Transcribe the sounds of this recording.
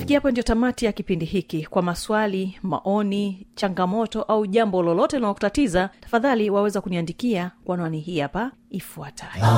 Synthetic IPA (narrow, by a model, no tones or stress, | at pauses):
fikiapɔndijɔtamatijakipindihikikwamaswalima̰ʔɔnit͡ʃaŋɡamɔtɔʔauʄambɔlɔlɔtɛunalɔkutatizatḁfaðaliwawɛzakuniandikiakwanwaniɦiːapa | ifuatʰajɔ